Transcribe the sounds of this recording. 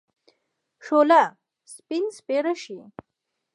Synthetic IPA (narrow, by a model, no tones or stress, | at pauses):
ʂola | spinspeɾəʃi